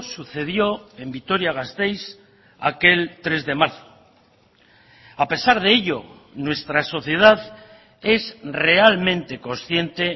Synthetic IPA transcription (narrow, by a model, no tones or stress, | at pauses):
suθe̞ðjo̞e̞mbit̪o̞ɾjaɣast̪e̞js | a̰ke̞lt̪ɾe̞zðe̞maɾθo̥ | ape̞saɾð̞e̞eʎo̞ | nwe̞st̪ɾaso̞θje̞ð̞að | e̞zre̞almẽnt̪e̞ko̞nsθje̞nt̪e̞